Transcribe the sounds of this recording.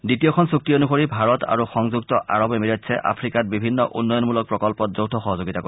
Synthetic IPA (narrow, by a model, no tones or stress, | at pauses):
ditiɔkʰɔnsuk̚tionuxoɹibʱaɹɔtʰa̰ɹuxɔŋzuktɔʔa̰ɹɔbemiɹɔtsʰɛʔa̰pʰɹikat̚bibʱinːɔʔṵnːɔjɔnmulɔk̚pɹɔkɔlpɔt̚zowtʰɔxɔɦɔzoɡitako